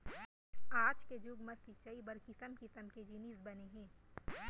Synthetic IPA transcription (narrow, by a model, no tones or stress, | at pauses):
aːd͡ʒked͡ʒuɡmɐsit͡ʃɐibɐɾkɪsəmkɪsəmked͡ʒiniːsbɐneɦɛ̃ː